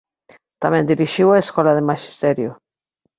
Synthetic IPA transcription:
t̪amẽnd̪iɾiʃiwaeskolaðemaʃi̥st̪eɾjo

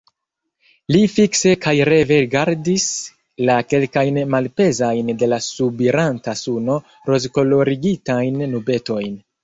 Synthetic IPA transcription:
lifikse̞kajɾe̞ve̞ɡaɾdis | lake̞lkajnmalpe̞zajnde̞lasubiɾantasuno̞ | ɾo̞zko̞lo̞ɾiɡitajnːube̞to̞jn

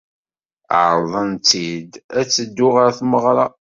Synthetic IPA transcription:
ʕɾˤðˤənt̪ːid̪æt͡sːəd̪ːʊʁaɾθməʁɾˤɑ

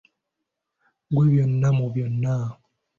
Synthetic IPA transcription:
ɡeβjɔnːamobjɔnːa

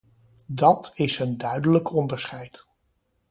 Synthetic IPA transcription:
dɑtɪsəndœɥdələkʰɔndəɹsχɛjt

